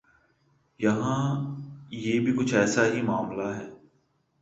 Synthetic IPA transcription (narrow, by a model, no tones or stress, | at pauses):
jɐɦãː | jeːbʱikʊt͡ʃʰɛːsaɦimaːmlaɦɛː